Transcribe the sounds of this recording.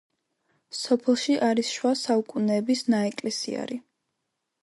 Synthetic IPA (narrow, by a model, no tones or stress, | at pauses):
sɔpʰɛlˠʃiʔaɾisʃwasaukʼunɛːbisnaɛkʼlɛsḭa̰ɾi